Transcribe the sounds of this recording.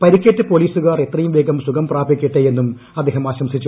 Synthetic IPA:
pɐɾikʲːeʈːɨpo̞ːliːsuɣaːre̞t̪rɐjumʋeːɡɐmsuɡɐmpraːbikʲːiʈːeje̞nːum | ɐd̪ʱeːɦɐmaːɕɐmsit͡ɕːu

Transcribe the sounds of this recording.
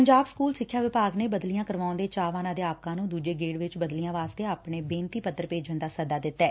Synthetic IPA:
pəɲd͡ʒaːbskuːlsɪkʰːjaːʋɪpaːɡneːbəd̪lijãːkəɾʋaːõnd̪eːt͡ʃaːʋaːnãːd̪eːaːp̚kãːnũːd̪uːd͡ʒeːɡeːɽʋɪt͡ʃbəd̪lijãːʋaːst̪eːaːpɳeːbẽːnt̪iːpət̪ːəɾpeːd͡ʒənd̪aːsəd̪aːd̪ɪt̪ːɛː

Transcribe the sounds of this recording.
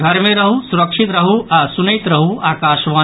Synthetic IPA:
ɡʱɐɾmẽɾɐɦusuɾəkʃit̪ɾɐɦuasunjt̪ɾɐɦuaːkaːʃʋaː

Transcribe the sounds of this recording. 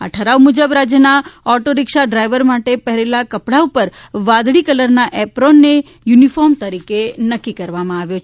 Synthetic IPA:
a̰ʈʰəɾaumud͡ʒəbɾad͡ʒjənaɔʈoɾɪkʃaɖɾajʋəɾmaʈepəɦɾelakəpɽaupəɾʋãd̪ɽikələɾnaʔɛpɾonːe | junifɔɾmt̪əɾikenəkːikəɾʋamãaʋjot͡ʃʰ

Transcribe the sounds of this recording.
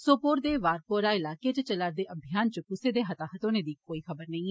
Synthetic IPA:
soːpoːɾd̪eːʋaːɾpoːɾaːɪlaːkeːt͡ʃət͡ʃəlaːɾd̪eːʔəbʱɪjaːnt͡ʃəpʊseːd̪eːɦət̪aːɦət̪õːneːd̪iːkoːiːxʰəbəɾnəĩː

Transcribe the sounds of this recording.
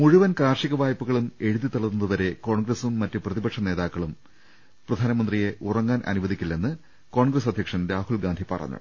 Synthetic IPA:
muɻuʋɐnkaːrʂiɣɐʋaːjɐpːuɣɐɭume̞ɻuðit̪ɐɭɐt̪ːunɐðɨʋɐɾe̞ko̞ːɳɡrɐsumːɐtːuprɐðibɐkʂɐne̞ːðaːkːɐɭum | prɐd̪ʱaːnɐmɐnd̪rije̞ʔurɐŋːaːnʔɐ̰nuʋɐðikʲːilːe̞nːɨ | ko̞ːɳɡrɐs̬ɐd̪ʱjɐkʂɐmɾaːhulɡaːnd̪ʱipɐ̰rɐ̰ɲːṵɽ

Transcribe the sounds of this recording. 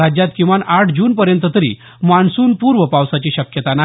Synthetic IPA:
ad͡ʑjat̪kĩw̃ʋanaʈʰd͡ʑuːnpəɾjənt̪ət̪əɾḭː | maɳsuːnpuɾʋəpawsat͡ɕiːɕəkjət̪ana

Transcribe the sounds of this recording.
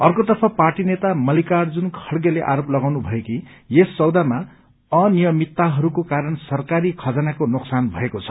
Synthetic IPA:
ʌrkod̪ʌrpʰʌparʈinet̪amʌlikard͡zunkʰʌɽɡeleʔa̰ɾoplʌɡawnubʱʌekijesːʌwd̪ama | ʌnijʌmit̪ːaɦʌɾukokaɾʌnsʌrkaɾikʰʌd͡zanakonoksanbʱʌ̰ekot͡sʰʌ̥

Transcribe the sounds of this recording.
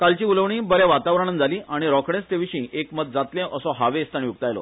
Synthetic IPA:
kalt͡ɕiːuləʋɳiːbəɾjaʋat̪aʋɾəɳ̃ənd͡zʱaliːaɽ̃iɾɔkɽẽst̪eʋiɕĩːʔekməd̪̚d͡zat̪lẽʔəsɔɦaʋest̪aɳ̃iuk̚t̪ajlɔ̰

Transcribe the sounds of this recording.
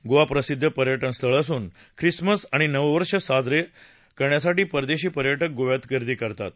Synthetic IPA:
ɡoʋapɾəsid̪ʱːəpəɾjəʈənst̪əɭəsuːn | kʰɾisməsaɽ̃inəʋʋəɾʂəsad͡zɾe | kəɾɳjasaʈiːpəɾd̪eɕiːpəɾjəʈək̚ɡoʋjat̪kəɾd̪iːkəɾt̪a̰t̪̚

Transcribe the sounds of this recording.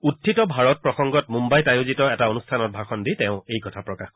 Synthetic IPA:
utʰːitɔbʱaɹɔt̚pɹɔxɔŋɡɔtmumbajtajozitɔɛtaonustʰanɔt̚bʱaxɔnditɛʊ̃ejkɔtʰapɹɔkax

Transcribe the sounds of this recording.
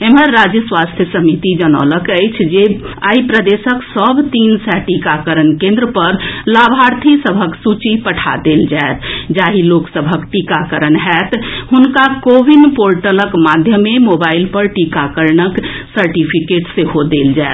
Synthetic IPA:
eməɾːad͡ʒjəswast̪ʰjəsəmit̪id͡ʒənə̰ləkəjt͡ʃʰd͡ʒea̰ipɾəd̪esəksəbt̪insɛʈikakəɾənkẽnd̪ɾəpəɾlabʱaɾt̪ʰisəbʱəksut͡ʃipəʈʰa̰d̪eld͡ʒaet̪d͡ʒaɦiloksəbʱəkʈikakəɾənɦɛt̪ɦunkakobinpoɾʈələkmad̪ʱjəmːemobailpəɾʈikakəɾnəksəɾʈipʰikeʈseɦod̪eld͡ʒaet̪

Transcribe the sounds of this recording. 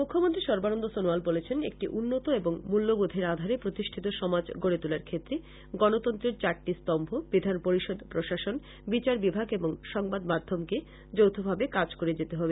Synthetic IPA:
mukʰːomont̪ɾiʃɔɾbanond̪osonoalbolet͡ɕʰenḛk̚ʈiʔunːot̪oeboŋmulːobod̪ʱeɾad̪ʱaɾepɾot̪iʃʈʰit̪oʃɔmad͡ʑɡoɽet̪ulaɾkʰet̪ːɾe | ɡɔnot̪ɔnt̪ɾeɾt͡ɕaɾʈːist̪ɔmbʱobid̪ʱanpoɾiʃod̪pɾoʃaʃon | bit͡ɕaɾbibʱaɡeboŋʃɔŋbad̪mad̪ʱːomke | d͡ʑowt̪ʰobʱabekad͡ʑkoɾed͡ʑet̪eɦɔbe

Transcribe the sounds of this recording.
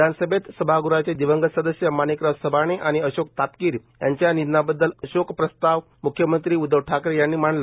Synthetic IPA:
d̪ʱansəbʱet̪səbʱaɡuɾat͡ɕed̪iʋəŋɡəsəd̪əsjəmanikɾəsəbʱaɽ̃eʔaɽ̃iəɕok̚t̪ap̪kiːɾjaɲt͡ɕjanid̪nabəd̪ːələɕokpɾəst̪aʋ | mukʰjəmənt̪ɾiːud̪ʱəʋʈʰakɾejanːiːmaɳlə

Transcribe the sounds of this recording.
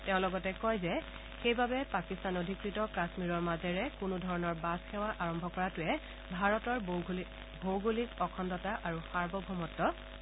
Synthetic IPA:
teʊ̃lɔɡɔtɛkɔjzɛ | xejbabɛpakistanodʱikɹitɔkasmiɹɔɹmazɛɹɛkʊnudʱɔɹɔnɔɹbasxɛwaʔaɹɔmbʱɔkɔɹatʊɛ | bʱaɹɔtɔɹ | bʱowɡulikɔkʰɔndɔtaʔaɹuxaɹbɔbʱɔmɔtːɔ

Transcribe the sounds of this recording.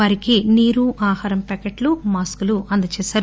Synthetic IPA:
aːɾikiniːɾuʔaːhaːɾɐmpɛkɐʈlumaːskuluʔɐnd̪ɐt͡ʃɛːsaːɾ

